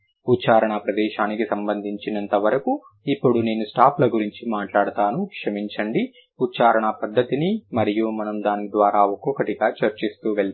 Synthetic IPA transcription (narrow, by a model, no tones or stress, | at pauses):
utːt͡ʃaːɾɐɳɐpɾɐd̪ɛːʃaːnikisɐmbɐnd̪ʱiɲt͡ʃinɐnt̪ɐʋɐɾɐku | ipːuɽune̞ːnusʈaːplɐɡuɾiɲt͡ʃimaːʈlaːɽɐt̪aːnukʂɐmiɲt͡ʃɐɳɖi | utːt͡ʃaːɾɐɳɐpɐd̪ːɐt̪inimɐɾijumɐnɐmd̪aːnid̪ʋaːɾaːɔkːɔkɐʈiɡaːt͡ʃɐɾt͡ʃist̪uːʋeɭ